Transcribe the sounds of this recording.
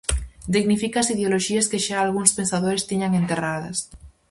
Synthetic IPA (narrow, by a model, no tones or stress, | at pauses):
d̪iɣnifikaːsiðeoloʃiɐskeʃaaːlɣuŋspensaðoɾest̪eɲaŋent̪eraðɐs